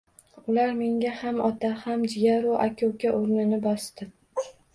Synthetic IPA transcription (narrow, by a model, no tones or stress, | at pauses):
ʊlaɾme̞ŋɡʲahamɒt̪ʰahamd͡ʒɪjaɾʊʔakʲʰowkʲaʔoɾnɪnɪbɒst̪ɪ